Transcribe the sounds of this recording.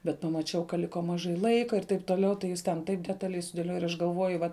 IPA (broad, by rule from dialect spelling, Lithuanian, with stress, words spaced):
bʲɛt pɐmɐˈt͡ʃʲɛʊ kɐ ˈlʲɪkoː mɐˈʒɐɪ ˈlˠɐɪkɐ ɪr tɐɪp toːˈlʲɛʊ tɐɪ ˈjɪs tʲɛn ˈtɐɪp dʲɛtɐˈlʲɛɪ sʊdʲeːˈlʲoːjɛ ɪr ˈɐʃ ɡɐlˠˈʋoːjʊ ˈʋɐt